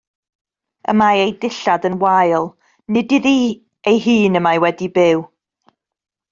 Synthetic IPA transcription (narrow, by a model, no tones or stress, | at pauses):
ə̰maejdɪɬadənwajlˠ | nɪdɪði | ejɦiːnəmajwɛdibɪw